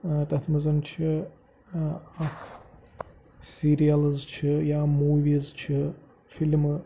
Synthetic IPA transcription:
t̪ɐt̪ʰmɐzɐmt͡ʃʰɨ | ɐkʰ | siɾijɐlzt͡ʃʰɨjaːmuːʋizt͡ʃʰɨ | film

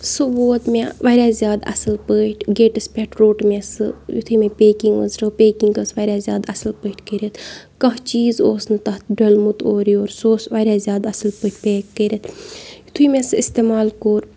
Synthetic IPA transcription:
suboːt̪meʋɐɾʲaːzjaːd̪ɐ̰sɐlpəːʈʰɡeːʈɐspʲeʈʰɾoːʈmesɨjut̪ʰuimẽpʲeːkiŋɡə̰zɾɐpʲeːkiŋɡəsʋɐːɾʲaːzʲjaːd̪ɐsɐlpəːʈkəɾʲɐt̪ʰkɐɦt͡ʃiːzoːsnɨt̪ɐɦt̪ʰɖɐlmut̪ʰoːɾioːɾsoːsʋɐɾʲaːzʲjaːd̪ɐsɐlpəʈʰpʲeːkːəɾʲɐt̪ʰjut̪ʰuimẽsist̪eːmaːlkoːɾ

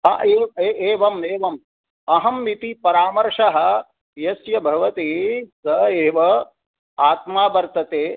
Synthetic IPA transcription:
ɦɐ̰ʔeːeːeːʋɐmeːʋɐm | ɐɦɐmːit̪ipɐɾaːmɐɾʂɐɦɐ̆ | jɐsjɐbʱɐʋɐt̪isɐeːʋɐ | aːt̪maːbɐɾt̪ɐt̪eː

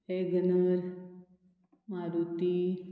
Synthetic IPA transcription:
eɡənəɾ | maːɾut̪i

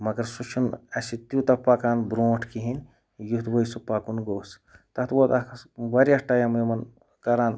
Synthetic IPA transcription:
mɐɡɐɾsut͡ʃʰunɐsit̪ut̪ɐpakaːnbɾoːʈʰkiɦin | jut̪bɐjsupakunɡoːs | t̪ɐt̪boːt̪ɐkʋɐɾiasʈajɐmemɐn | kɐɾaːn

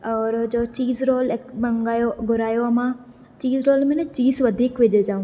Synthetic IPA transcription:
ɔːɾd͡ʒoːt͡ʃiːzɾoːlekbɐŋɡaːjoɡʱʊɾaːjoɐmãː | t͡ʃiːzɾoːlmẽnẽt͡ʃiːzʋəd̪ʱiːkʋed͡ʒed͡ʒaːũ

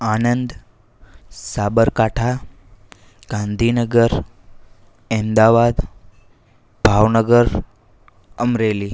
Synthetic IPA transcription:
anənd̪ | sabəɾkaʈʰa | ɡ̥ãnd̪ʱinəɡəɾ | end̪aʋad̪ | bʱaʋnəɡəɾ | əmɾeliː

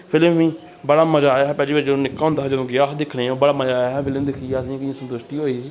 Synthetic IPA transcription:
pʰɪləmʋĩː | bəɽaːməd͡ʒaːjaːɦɛːpɛːliːbaɾd͡ʒəd̪õːnɪkːaːɦõnd̪aːɦd͡ʒəd̪õːɡjaːsd̪ɪkʰːɽeːoːbəɽaːməd͡ʒaːjaːɦɛːpʰɪləmd̪ɪkʰiaːəs̬ĩːkɪãːsənt̪ʊʃʈiːɦoːiːsiː

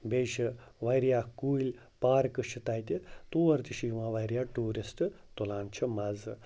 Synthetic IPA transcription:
beːʃiʋɐjɾijaːkuːilʲ | paːɾkɨʃʰit̪ɐjt̪ʲit̪uːʋɐɾt̪iʃiʋãʋɐjɾjaːʈuːɾisʈɨ | t̪ulaːnt͡ʃʰimɐzɨ

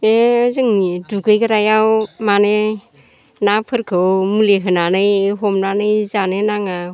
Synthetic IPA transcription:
ezɯŋniduɡɯjɡɯɾajawmane | napʰɯɾkʰɯwmuleɦɯnanɯjeɦɔmnanɯjzanenaŋa

